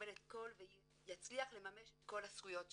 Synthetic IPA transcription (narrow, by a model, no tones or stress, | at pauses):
elet̪̚ko̞lvej | jat͡sliaχle̞mame̞ʃet̪ko̞lasɡujo̞t